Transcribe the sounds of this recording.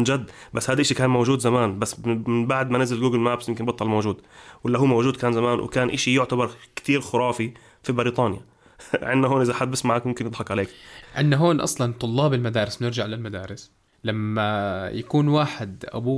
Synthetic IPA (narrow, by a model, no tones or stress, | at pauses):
d͡ʒad̪ːbasːhaːd̪iʔaʃikaːnmowʒuːd̪zamaːnbasːmɪnbaʕd̪manɪzɪlɡuːɡɪlmaːbsjɪmkɪnbɑt̪ˤːɑlmowʒuːd̪wɪlːaɦuːmowʒuːd̪̚kaːnzamaːnwɪ̰kaːnʔaʃijʊʕt̪abɑɾˤkt̪iːɾxʊɾˤɑːfi | fibɪɾiːt̪ˤɑːnja̰ | ʕɪnːaɦoːnʔɪzaħad̪̚bɪsmaʕaːkmʊmkɪnjɨd̪ˤħɑkʕaleːkʕɪnːaɦoːnʔɑ̰sˤlɑnt̪ˤʊlːɑːbɪlmad̪aːɾɪsnɪɾd͡ʒaʕlalmad̪aːɾɪs | lamːajakuːnwaːħɪd̪ʔa̰buː